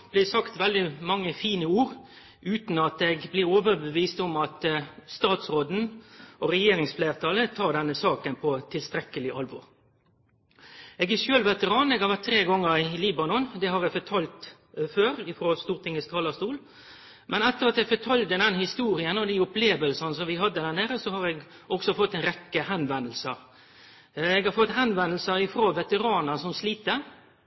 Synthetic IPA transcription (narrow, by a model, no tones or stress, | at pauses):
b̥lɪsɑkt̪ʋɛld̪ɪmɑŋːəfiːnəuːɾ | ʔʉːt̪n̩ɑt̪ɛɡblɪoːʋəɾbəʋiːst̪ɔmɑt̪st̪ɑːt̪sʁoːd̪n̩ɔʁɛjeːɾɪŋsfleːʁt̪ʰɑːlət̪ʰɑːd̪ɛnːəsɑːkənpʰɔt̪ʰɪlst̪ɾɛkːəlɪʔɑlʋɔ̰ʁ | eːɡɛʃøːlʋɛt̪əʁɑːneːɡhɑʋæt̪ʰːɾeːɡɔŋːəɾɪliːbɑnɔnd̪ɛhɑɾɛɡfɔt̪ʰɑːlt̪ | føːɾɪfɾoːst̪uːʁt̪ʰɪŋːəst̪ʰɑːləst̪uːl | mʔɛnɛt̪ːəʁɑt̪ɛɡfɔt̪ʰɑld̪əd̪ɛnhɪst̪uːɾɪənəɔd̪iʊpleːʋəlsənəsɔmʋɪɦɑd̪ːəd̪æʁneːɾəsɔhɑɾɛɡ | ʔɔksɔfɔt̪ːɛɪnʁɛkːəhɛnʋɛnl̩sə | ɛːɡɑɾfɔt̪ːhɛnʋɛnəl̩səɾɪfɾoːʋɛt̪əʁɑːnəsɔmsliːt̪ə